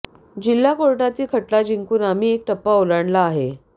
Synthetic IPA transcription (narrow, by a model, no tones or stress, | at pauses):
d͡ʑilːakoɾʈat̪iːkʰəʈlad͡ʑiŋkuːnam̤iːek̚ʈəpːaolaɳlaːɦe